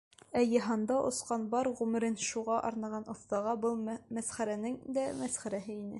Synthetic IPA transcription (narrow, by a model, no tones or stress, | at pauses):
æjɤ̆ɦɑnd̪ɑʔŏ̰sqɑnbɑɾʁʉmɘ̆ɾɘnʃuʁɑʔɑ̰ɾnɑʁɑnŏθt̪ɑʁɑbɤlˠmæsχæɾænɘŋd̪æmæsχæɾæɦɘinɘ̰